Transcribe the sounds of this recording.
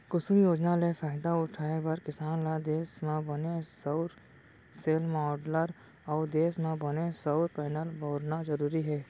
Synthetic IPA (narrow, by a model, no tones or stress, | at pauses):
kʊsʊmjoːd͡ʒnalefaːɪd̪aʊʈʰaːebɐɾkɪsaːnlad̪eːsmẽbənesəʊɾ | seːlmɔːɖləɾ | ɔːɾd̪eːsmẽbɐnesəʊɾpɛːnəlbʱɔːɾnazəɾuːɾiɦɛː